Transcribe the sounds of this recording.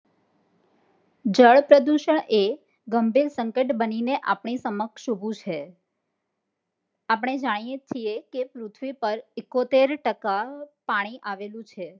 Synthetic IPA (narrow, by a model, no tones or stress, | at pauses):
d͡ʒəɭpɾəd̪uʃəɳe | ɡəmbʱiɾsəŋkəʈbənineʔa̰pɳ̃isəməkʃubʱũt͡ʃʰe | ap̬əɳ̃ed͡ʒaɽ̃ijet͡ʃʰijekepɾut̪ʰʋipəɾɪkːot̪eɾʈəkapaɽ̃iʔaʋelũt͡ʃʰe